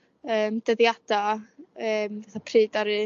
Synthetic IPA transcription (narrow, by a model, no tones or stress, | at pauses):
əːmd̥əðjad̥aəːmvaθapʰrɨːdaɾɨ